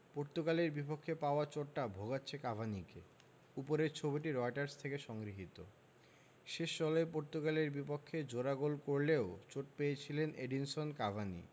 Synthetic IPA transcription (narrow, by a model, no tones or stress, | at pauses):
poɾt̪okaleɾbipokʰːepaoat͡ɕoʈːabʱoɡatːɕʰekabʱanike | upoɾeɾt͡ɕʰobiʈiɾɔjʈaɾst̪ʰekeʃɔŋɡɾiɦit̪o̰ | ʃeʃːɔlɔepoɾt̪okaleɾbipokʰːed͡ʑoɾaɡolkoɾleot͡ɕoʈpejet͡ɕʰileneɖinsonkabʱanḭ